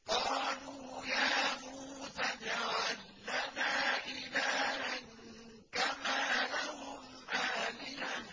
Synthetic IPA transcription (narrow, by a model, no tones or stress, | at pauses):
qɑːluːjaːmuːsad͡ʒawalːanaːʔɪlaːʔaŋ | kamaːlaɦʊm | ʔaːlɪja